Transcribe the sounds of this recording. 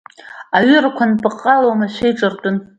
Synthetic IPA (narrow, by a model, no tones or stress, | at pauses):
aɥʏrakʷʰanpʼɨqʼːalowmaʃʷejʈ͡ʂʼɨrtʼʊn